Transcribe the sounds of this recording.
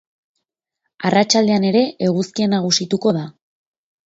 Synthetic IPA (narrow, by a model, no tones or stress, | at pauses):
arat͡ʃald̪e̞ane̞ɾe̞ʔeɣuskienaɣusit̪uko̞ð̞a